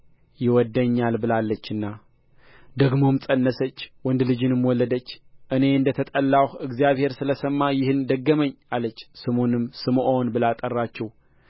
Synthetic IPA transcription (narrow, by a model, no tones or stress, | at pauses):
jɪwɔd̪ːəɲːalbɨlalːət͡ʃːɨnːa | d̪əɡmo̞msʼənːəsət͡ʃːwɔnd̪lɨd͡ʒɨnɨmwɔlːəd̪ət͡ʃːʔɨne̞ɨnd̪ət̪ʰət̪ʼəlːahɨɡzijaβhe̞ɾsɨləsəmːajɪhɨnd̪əɡːəməɲːalət͡ʃːsɨmonɨmsɨmʔonbɨlat̪ʼərːat͡ʃːɛw